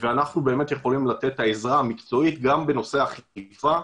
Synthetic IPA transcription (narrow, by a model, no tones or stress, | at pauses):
veanaχnube̞ːme̞t̪je̞χo̞limlat̪e̞tːaezʁaamikt͡so̞it̪ɡambe̞no̞seaχifa